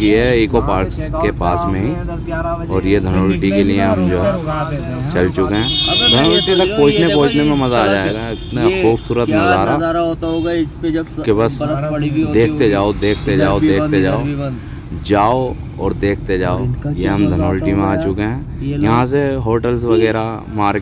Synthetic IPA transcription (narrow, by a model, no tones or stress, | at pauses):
kiɛiːkopaːɾkskepaːsmẽɦi | ɔːɾjed̪ʱənoːlʈikelieɦɐmd͡ʒoːɦ | t͡ʃɐlt͡ʃʊkeɦɛ̃ːd̪ʱənoːlʈit̪ɐk̚poːt͡ʃnepoːt͡ʃnemẽmɐzaaːd͡ʒaːeːɡaɪt̪naxuːbsuːɾət̪nɐzaːɾa | kebɐs | d̪eːk̚t̪ed͡ʒaːod̪eːk̚ʰt̪ed͡ʒaːod̪eːkʰt̪ed͡ʒaːo | d͡ʒaːo | ɔːɾd̪eːkʰt̪ed͡ʒaːojeɦɐ̃md̪ʱənoːlʈimẽaːt͡ʃʊkeɦɛ̃ː | jɐɦãs̬eɦoːʈəlsʋɐɣɛːɾa | maːɾ